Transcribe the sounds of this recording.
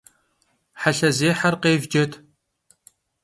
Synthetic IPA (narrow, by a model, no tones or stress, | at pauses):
ħaɬɐzeːħɐrqeːvd͡ʒɐtʰ